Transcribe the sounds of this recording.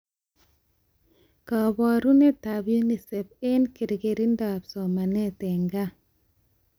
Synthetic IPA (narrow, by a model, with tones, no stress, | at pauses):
ka˨ba˨ɾu˦ne˦ta˨bju˦ni˨se˨p̚e˦nki˨ɾɡe˨ɾi˦nda˨bsɔ˨ma˨ne˦te˨ŋɡa˦